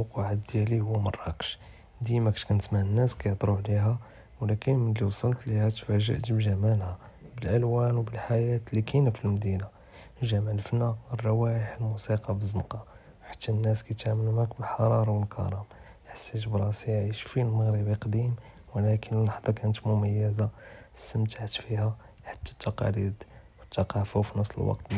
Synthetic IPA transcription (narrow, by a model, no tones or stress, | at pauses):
quʕad̪jælihʊwːmɑrˤːɑ̰kʃ | d̪imækʃkænət̪maʕənːæskæjd̪ˤɾˤuʕliɦæ | wlækənmənliwsˤɑlt̪lihæt̪fæʒə̰ʔt̪bʒæmælhæbəlʔəlwænwbəlħajæt̪likʰinæfilmd̪ina | ʒæmæləfnærˤːɑwæjəħəlmusiqɑbəzənqɑ | wħḁt̪ʰːænːæskæt̪ʕamənmækbəlħɑɾˤɑɾˤɑwəlkʰɑ̰ɾˤɑm | ħḁsːit̪bɾˤɑsiʕiʃfilməɣɾəbiqd̪im | wlækʰənəlːɑħd̪ˤɑkænət̪mʊmæjːəzast̪əmt̪aʕt̪fihæ | ħḁt̪ːæ̥t̪ːɑqɑ̰lid̪wət̪ːɑqɑfufinəsˤlə̰lwɑ̰qt̪